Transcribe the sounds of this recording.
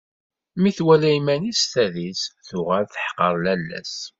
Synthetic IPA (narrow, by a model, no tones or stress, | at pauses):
miθwælæjmænisθæðisθʊʁælθəħqəɾˤlælːæ̰s